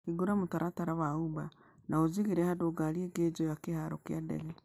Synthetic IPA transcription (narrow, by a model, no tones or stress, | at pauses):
kiɡuɾamotaɾataɾawauba | naoziɣeɾɛhadoɡaɾieɡed͡ʒɔjakehaɾo̰keadɛ̰ɣɛ